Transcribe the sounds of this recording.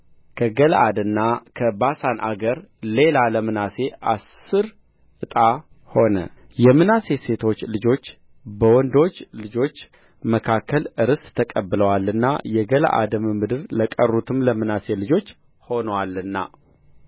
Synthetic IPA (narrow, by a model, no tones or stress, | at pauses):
kʰəɡəlʔa̰d̪ɨnːakʰəbasanʔa̰ɡəɾle̞laləmɨnase̞ʔasːɨɾ | ʔɨt̪ʼa | ho̞nə | jɛmɨnase̞se̞t̪ʰo̞t͡ʃːlɨd͡ʒo̞t͡ʃː | bəwɔnd̪o̞t͡ʃːlɨd͡ʒo̞t͡ʃː | məkʰakʰːəlɨɾɨst̪ʰəkʼəbːɨləwalːɨnːa̰jɛɡələ̰ʔa̰d̪əmɨmɨd̪ɨɾləkʼərːut̪ʰɨmləmɨnase̞lɨd͡ʒo̞t͡ʃː | ho̞nəwalːɨnːa̰